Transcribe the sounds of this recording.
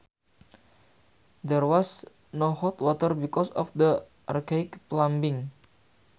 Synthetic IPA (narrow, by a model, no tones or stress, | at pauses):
d̪ɛrwɔs | nohɔt̪wɔt̪ərbikɔsɔ̰fd̪ə | ʔa̰rkaɪkplambiŋ